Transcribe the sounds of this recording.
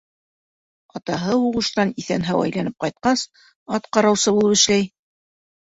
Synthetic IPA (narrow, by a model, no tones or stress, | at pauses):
ɑt̪ɑɦɤuʁɤ̆ʃt̪ɑniθænɦæwæ̰jlænɘp̚qɑjt̪̚qɑs | ɑt̪qɑɾɑwsɤβulˠɤpɘ̆ʃlæj